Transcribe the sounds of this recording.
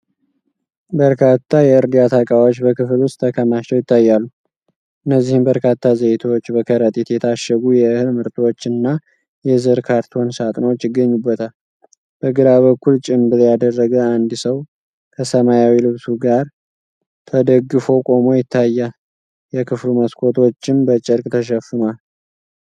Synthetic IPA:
bəɾkʰat̪ʰːajɛɨɾd̪ijat̪ʰakʼawot͡ʃːbəkɨflwʊst̪ʰəkʰəmaʃt͡ʃːɛwjɪt̪ʰːajːalːu | ʔɨnːəzːihɨmbəɾkʰat̪ʰːazət̪ʰwot͡ʃːbəkʰəɾət̪ʼiɛt̪jɛt̪ʰaʃəɡujɛɨhɨlmɨɾt̪ʼwot͡ʃːɨnːa | jɛzɨɾkʰaɾt̪ʰo̞nsat̪ʼnot͡ʃːjɪɡːəɲːubːət̪ʰal | b̥əɡɨɾaβəkʰːult͡ʃʼɪmbɨɾjad̪ərːəɡəand̪səw | kʰəsəmajawilɨβsuɡaɾ | t̪ʰəd̪əɡːɨfokʼo̞mo̞jɪt̪ʰːajːal | jɛkʰɨfluməskʰo̞t̪ʰo̞t͡ʃːɪnbət͡ʃʼɨɾkʼt̪ʰəʃ̬ɛfːɨnwal

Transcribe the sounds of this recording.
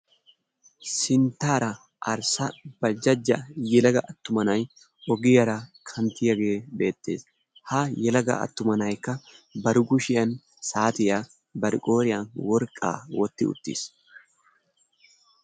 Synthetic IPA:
sɪnt̪ːaːɾɐ | ʔɐɾsɐb̥ɐld͡ʒɐd͡ʒːɐjɛlɐɡɐʔɐt̪ːʊmɐnɐj | ɔɡɪjɐɾɐkʰɐnt̪ːɪjɐɡe̞ːbe̞ːt̪ːe̞ːs | hajɛlɐɡɐ̰ɐ̰t̪ːʊmɐnɐjkːɐbɐɾʊɡʊʃɪjɐn | saːt̪ɪja | bɐɾɪkʼo̞ːɾɪjanwɔɾkʼːa̰ːwɔt̪ːɪ̰ʊ̰t̪ːḭs

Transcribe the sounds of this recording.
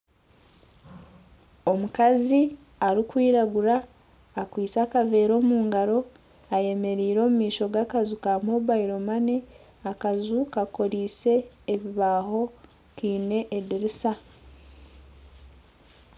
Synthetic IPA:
o̞mukazi | aɾikwiːɾaɡuɾaː | kwiːt͡saːkave̞ːɾo̞ːmuːŋɡaɾo̞ | aje̞me̞ɾiːɾo̞ːmumiːʃo̞ɡakazukamoβaiɾo̞mane | akazukako̞ɾiːse̞ː | βiβaɦo̞ | kiːne̞ʔediɾisa

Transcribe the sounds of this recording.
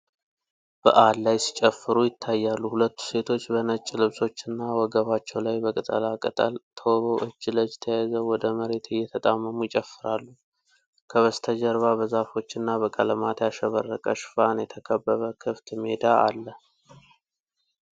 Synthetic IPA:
b̥ə̰ʔalːajsi̥t͡ʃʼəfːɨɾujɪt̪ʰːajːalːuhulət̪ʰːu̥se̞t̪ʰo̞t͡ʃːbənət͡ʃʼːlɨβso̞t͡ʃːɨnːawɔɡəβat͡ʃːɛwlajbəkʼɨt̪ʼə̰lakʼɨt̪ʼə̰lt̪ʰoβoʔɨt͡ʃːɨləd͡ʒt̪ʰəjajzəwɔd̪əməɾe̞t̪ʰɨjːɛt̪ʰət̪ʼamːəmujɪt͡ʃʼəfːɨɾalːu | kʰəβəst̪ʰəd͡ʒəɾβabəzafo̞t͡ʃːɨnːabəkʼələmat̪jaʃəβərːəkʼəʃfanjɛt̪ʰəkʰəbːəβəkʰɨft̪ɨmed̪aa̰lːə

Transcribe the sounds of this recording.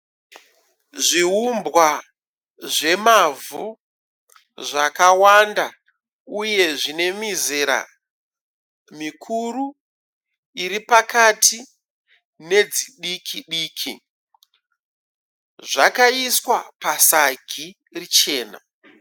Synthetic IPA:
ʐiɦumbwa | ʐe̞mavu | ʐakawanda | uje̞ʐine̞mizeɾa̰ | mikʰuɾu | iɾipakati | ne̞d͡ziɗikʰiɗiːkʰi | ʐakaiswapasaɡʱi | rit͡ʃe̞ːna̰

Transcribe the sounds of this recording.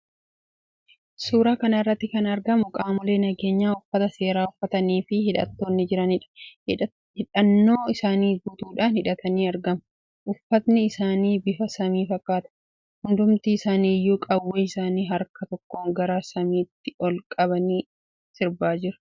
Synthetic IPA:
suːɾaːkɐnɐɪrːɐt̪ːɪkɐnɐɾɡɐmʊkʼaːmʊle̞ːnɐɡe̞ːɲːaːʊfːɐt̪ɐse̞ːɾaːʊfːɐt̪ɐniːfɪhɪᶑɐ̰t̪ːo̞ːnːɪd͡ʒɪɾɐnɪᶑɐ̥ | hɪᶑɐnːo̞ːɪsaːniːbʊt̪uːᶑaːnhɪᶑɐt̪ɐniːɐɾɡɐm | ʔʊfːɐt̪nɪːsaːniːbɪfɐsɐmiːfɐkːaːt̪ɐ̥ | hʊnd̪ʊmt̪iːɪsaːniːjːuːkʼɐwːeːɪsaːniːɦɐɾkɐt̪ɔkːoːŋɡɐɾaːsɐmiːt̪ːɪɔlkʼɐβɐniː | sɪɾbaːd͡ʒɪɾɐ̥

